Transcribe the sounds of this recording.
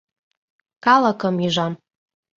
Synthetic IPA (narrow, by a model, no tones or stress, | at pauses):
kɑləkəmiʒam